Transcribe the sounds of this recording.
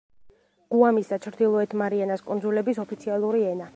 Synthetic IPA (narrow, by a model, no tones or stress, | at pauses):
ɡ̥uamisat͡ʃʰɾd̪ilˠɔɛt̪ʰmaɾianaskʼund̪zulɛbisɔpʰit̪sʰialˠuɾiɛna